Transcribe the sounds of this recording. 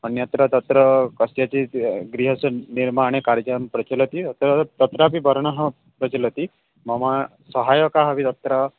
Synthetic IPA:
ɔnjɔt̪ɾɔt̪ɔt̪ɾɔkɔsijat͡ʃiɡɾiɦɔsɔniɾmaɽ̃ekaɾd͡ʒampɾɔt͡ʃɔlɔt̪it̪ɾɔt̪ɔt̪ɾap̬ibɔɾɽ̃ɔɦɔ | pɾɔt͡ʃilɔt̪i | mɔma | sɔɦajɔkaɦɔbit̪ɔt̪ɾa

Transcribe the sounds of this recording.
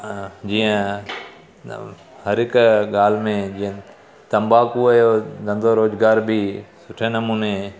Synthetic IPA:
d͡ʒiːə̃ | həɾɪkɠaːl̤mẽd͡ʒiːə̃ | t̪ɐ̃mbaːkuəjoːd̪ə̃nd̪oːɾoːzɡaːɾbʱiːsʊʈʰeːnɐmuːneː

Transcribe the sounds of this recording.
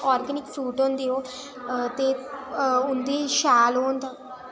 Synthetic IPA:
ɔːɾɡənɪkfɾuːʈõnd̪eoː | t̪e | ʊnd̪iːʃaːloːnd̪a

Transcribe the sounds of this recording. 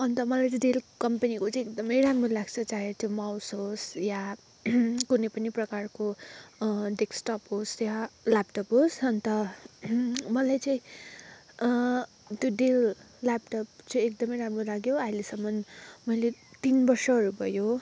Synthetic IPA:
ʌnt̪ʌmʌlajt͡sɖelkʌmpenikot͡saĩekd̪ʌmʌjramrolaɡt͡sʰʌt͡saɦet͡sʌmawsɦosja | kunejpʌniprʌkarko | ɖeksʈʌpɦosjalapʈʌpɦosʌnt̪ʌ | mʌlajt͡sʌĩ | t̪joɖel | lapʈʌp̚t͡sʌĩek̚d̪ʌmʌjɾamrolaɡjoailesʌmːʌnmʌjlet̪inbʌrsʌɦʌɾubʱʌjo

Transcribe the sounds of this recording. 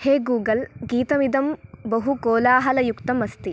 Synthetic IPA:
heːɡuːɡɐlɡiːt̪ɐmid̪ɐmbɐɦukoːlaːɦɐlɐjukt̪ɐmɐst̪i

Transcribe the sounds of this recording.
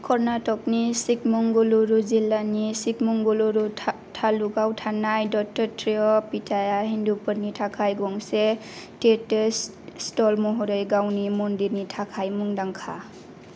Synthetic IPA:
kʰɔɾnatɔk̚nisik̚muŋɡɔluɾuzilanisik̚muŋɡɔluɾu | tʰaluɡawtʰanajdɔk̚tɔɾtɾiɔpitʰajaɦindupɯɾnitʰakʰajɡɔŋsetetes | stɔlmɔɦɔɾəjɡawnimɔndiɾnitʰakʰajmuŋdaŋkʰa

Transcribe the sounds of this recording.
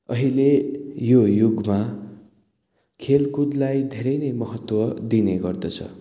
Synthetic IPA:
ʌɦilejojuɡma | kʰelkud̪lajd̪ʱeɾʌjnʌjmʌɦʌt̪wʌd̪ineɡʌrd̪ʌt͡sʰʌ̰

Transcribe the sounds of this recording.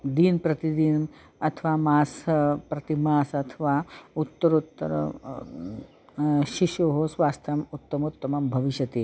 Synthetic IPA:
d̪iːnpɾɐt̪id̪iːn | ɐt̪ʰʋaːmaːspɾɐt̪imaːsɐt̪ʰɐʋaːut̪ːɐɾut̪ːɐ̰ɾ̰ | ʃiʃoːɦosʋaːst̪ʰɐmut̪ːɐmut̪ːɐmɐmbʱɐʋiʃjɐt̪eː

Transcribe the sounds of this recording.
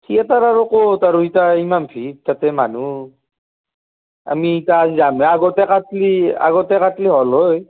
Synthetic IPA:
tʰiataɾaɾukɔtaɾuitaimampʰit̚tatɛmanu | a̰miːtaːzizamɛaɡɔtɛkatlia̰ɡɔtɛkatliɦɔloj

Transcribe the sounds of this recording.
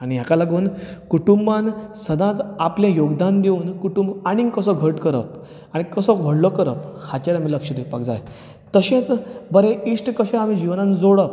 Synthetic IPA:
aɽ̃iɦjakalaɡuːnkuʈumbansəd̪ãt͡sapljãjoɡd̪and̪euːnkuʈumbaɽ̃ikəsɔɡʱəʈkəɾə̰p | aɽ̃ikəsɔkʋ̤ʱəɽlɔkəɾə̰phat͡ɕaɾamiːləkʂəd̪ewpakd͡za̰j | t̪əɕẽt͡sbəɾeiʂʈkəɕɛ̃amĩd͡ʑiʋnãnd͡zoɽəp̚

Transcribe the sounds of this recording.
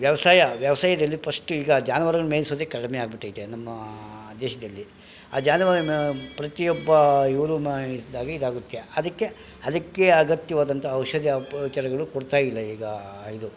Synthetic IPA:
ʋjɐʋɐsaːjɐʋjɐʋɐsaːjɐd̪ɐlːipʰɐʂʈuiːɡɐːd͡ʒaːnɐʋaɾɐɡɐɭumeːlisoːd̪ekɐɽmeaːɡ̚biʈːɐːjit̪ːenɐmːɐd̪ɛːʃɐd̪ɐlːi | aːd͡ʒaːnɐʋaɾpɾɐt̪ijɔbːɐiʋɾumaɭisd̪aːɡɐid̪aːɡut̪ːieɐd̪ɐkːe̞ | ɐd̪ɐkːe̞ɐɡɐt̪jɐʋaːd̪ɐnt̪ʰɐːwʃɐd̪ɐʋt͡ʃɐɾɐɡɐɭukoɽt̪aːjilːɐiːɡɐid̪u

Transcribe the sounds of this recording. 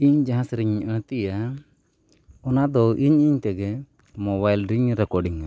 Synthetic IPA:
iɲd͡ʒaɦãsɾiɲəɽ̃t̪ija | ɔnad̪ɔʔiɲiɲt̪ɛɡɛ | mɔβajlɖɾiɲɾɛkɔɖiŋa

